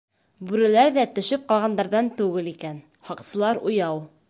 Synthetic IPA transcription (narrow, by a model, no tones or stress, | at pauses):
bʉɾɘ̆læɾðæt̪ɵ̆ʃɵp̚qɑlˠʁɑnd̪ɑɾðɑnt̪ʉɡɘlikæn | hɑqsɤ̆lˠɑɾujɑw